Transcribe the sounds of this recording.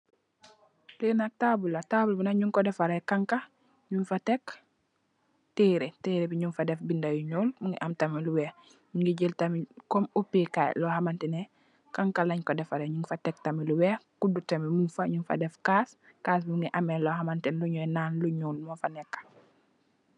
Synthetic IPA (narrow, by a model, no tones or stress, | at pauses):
lenak̚taːbulatabulbinaɲuŋkɔdɛfaɾekaŋka | ɲunfatek | tiːɾeteːɾebiɲunfadɛfbindajuɲuːlmuŋɡḭʔamtamiluwɛː | muŋɡiɟəltamikɔmupikaj̰lɔːhamantɛne | kaŋkalaɲkodɛfaɾeɲuŋfatek̚tamiluwɛkudutamimunfaɲunfa̰dɛfkaːs | kaːsbimuŋɡiʔameloɦamantɛnluɲuɛnaːnluɲuːlmufanɛkːḁ